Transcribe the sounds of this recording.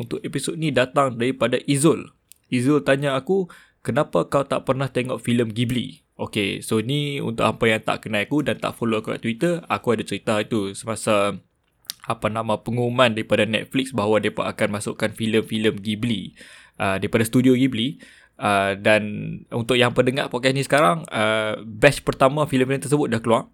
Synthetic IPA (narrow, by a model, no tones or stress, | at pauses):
unt̪ʊkepisot̪̚nĩdat̪aŋdaɾipadaʔizʊl | izʊlt̪aɲaːku | kənapakawt̪a̰ʔpərnaht̪eŋɔʔfiləmɡiblḭ | ʔokesoniṵnt̪ʊ̰ʔampajaŋt̪a̰ʔkənajakudant̪a̰ʔfoloakuka̰ʔt̪wit̪əakuadat͡ʃəɾit̪ait̪usəmasa | apanãmãpəŋumãndaɾipadanɛ̰t̪̚fliksbaɦawadapa̰ʔakanmãsʊ̰ʔkanfiləmfiləmɡibli | ʔədaɾipadasə̥t̪udioɡibli | ʔədanṵnt̪ʊʔjaŋpərdəŋaʔpɔt̪̚kɛsnisə̥kaɾaŋəbɛspərt̪amãfiləmfiləmt̪ərsəbʊt̪̚dahkəluaŋ